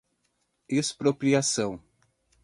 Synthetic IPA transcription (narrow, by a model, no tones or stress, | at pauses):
espɾopɾiasɐ̃w̃